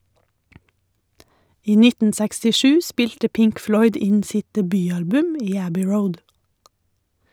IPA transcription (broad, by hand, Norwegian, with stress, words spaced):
ˈiː ˈnɪtn̩ sɛkstɪˈʃʉː ˈspɪʎtə ˈpɪŋk ˈflɔʏd ˈɪɲ ˈsɪt dɛˈbyːˌɑlbʉm ˈiː ˈæbʏ ˈɹəʊd